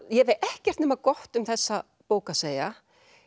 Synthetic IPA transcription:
jɛveɛhcɛr̥t̪nɛːmakɔht̪ʏmθɛsːa | poːwkaseːja

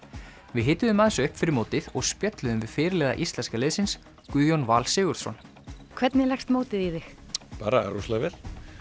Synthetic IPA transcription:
vɪðɦɪːt̪ːʏðʏmaðsʏhpfɪɾɪɾmoːt̪ɪðɔɣspjœt̪lʏðʏmvɪðfɪːɾɪlɛːða̰ʔist̪lɛnskalɪːðsɪns | kʏːðjonvaːlsɪːɣʏɾ̥sɔ̰n | kʰvɛt̪nɪlɛxst̪moːwt̪ɪðiðɪxpa̰ːɾaa̰ɾuslavɪl̥

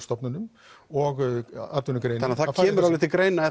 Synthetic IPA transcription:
st̪ɔpnanʏm | ɔɣaɾt̪vʏnʏkɾejnanːaθacʰɛːmʏɾavlɪht̪ɪkɾeːjnaɛ

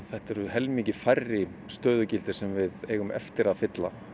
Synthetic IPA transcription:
θɛht̪ɛɾʏhɛlmicɪfajrːɪst̪œːðʏcɪlt̪ɪ̥sɛmvɪðeːɣʏmɛ̰ft̪ɪɾaðfɪt̪la

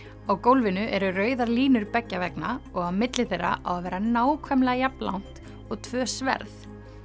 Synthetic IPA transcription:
awkowlvɪnʏʔɛɾʏrœːɥðaɾliːnʏɾpɛcːavɛknaɔɣawmɪt̪lɪθejrːa̰ʔa̰wavɛːɾanaːwkʰvɛmlɛɣajapla̰wn̥t̪ | ɔɣt̪ʰvœːsvɛ̰ɾθ

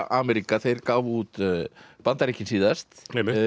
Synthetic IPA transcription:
ʔaːmɛɾikaθejɾkaːvuːt̪pant̪aɾicːɪnsiːðast̪ɛmːɪ

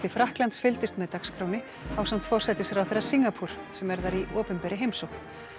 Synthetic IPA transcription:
t̪ɪfɾahklant̪sfɪlt̪ɪst̪mɛðt̪axskɾoːwnɪ | awsam̥t̪fɔr̥sɛt̪ɪsɛɾawθejrːḁsiŋɡapʰuɾ̥ | sɛmvɛɾðaɾiʔoːpʏnpɛɾɪɦejmsowxn

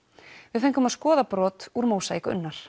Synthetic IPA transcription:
vɪðθeɲŋ̥kʏmaðskɔːðapɾɔːt̪uɾmoːwsajkʏ̰nːaɾ̥

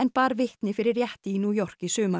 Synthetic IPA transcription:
ɛnpaːɾvɪht̪nɪfɪɾɪɾjɛht̪ɪinuːjɔr̥kisøːma

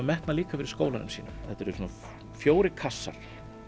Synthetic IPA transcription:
mɛht̪naliːkafɪɾɪɾ̥skoːwlanʏ̰msiːnʏmθɛt̪ɛɾʏsɔnːa | fjoːwɾɪkʰasːa̰ɾ̥

